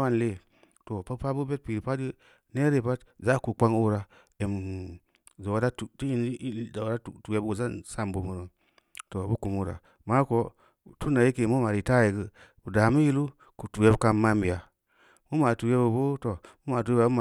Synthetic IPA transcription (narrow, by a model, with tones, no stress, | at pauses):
wa˦n˨le˦˨ | to˨pa˦pa˦bu˦be˦t̚pi˨ɾi˨pa˦i˦ | ne˦ɾe˨pa˦tza˦ku˨k͡pa˦ŋu˦ɾa˨ | e˨m˨ | za˨wa˨˦da˦tu˨ti˦i˦n˦a˨wda˦u˨tu˨je˦bza˦nsa˦˨mbo˦mu˨ɾə˨ | to˨bu˦ku˨mu˦ɾa̰˨ | ma˦ko˦˨ | tu˦na˨je˦ke˨mu˦ma˨ɾi˨ta˦je˨ɡɨ˦ | bu˨da˨mu˦ji˦lu˦ | ku˨tu˨je˦bka˦ma˦mbi˨ja˨ | mu˦ma˨tu˨je˦bu˨bo˦to˨mu˦ma˨tu˨je˦a˨bu˦ma˨